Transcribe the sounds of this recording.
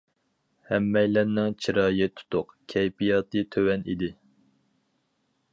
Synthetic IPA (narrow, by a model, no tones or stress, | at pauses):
hɛmːɛjlɛnnːɪŋt͡ʃʰiɾɑːjɨt̪ʰːu̥t̪ʊqkʲʰɛjpijɑːt̪ʰɨt̪ʰøwɛnḭd̪ɪ